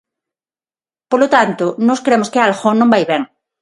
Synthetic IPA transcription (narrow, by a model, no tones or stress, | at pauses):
polot̪ant̪onoskɾemoskealxonːõmbajβeŋ